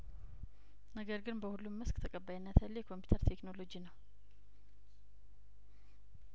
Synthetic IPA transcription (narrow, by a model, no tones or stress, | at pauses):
nəɡəɾɡɨnbəhulːumːɨskʼt̪ʰəkʼəbːajnːat̪ʰalːajɛkʰo̞mpju̥t̪ʰəɾt̪ʰekno̞lo̞d͡ʒinəw